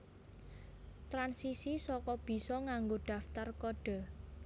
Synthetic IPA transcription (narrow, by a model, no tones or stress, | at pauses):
t̪ɾansisisɔkɔb̥i̤sɔŋaŋɡoɖ̥ä̤ft̪arkɔɖ̥ɔ̤